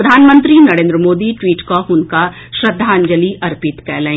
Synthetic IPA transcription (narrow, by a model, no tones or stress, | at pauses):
ɾɐd̪ʱaːnmə̃nt̪ɾinɐɾẽːnd̪ɾəmoːd̪iʈwiːʈkaɦʊnka | ʃɾɐd̪ʱːaːnd͡ʒəliʔɐɾpɪt̪kɛːlɛ̃ẽː